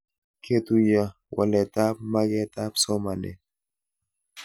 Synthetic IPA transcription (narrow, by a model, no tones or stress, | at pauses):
kʰet̪uja | wʔa̰let̪ap̚maɡet̪apsomanḛ